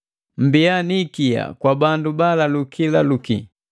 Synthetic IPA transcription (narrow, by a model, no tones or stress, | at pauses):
m̩bianikija̰kwabandubalalukʰilalukḭ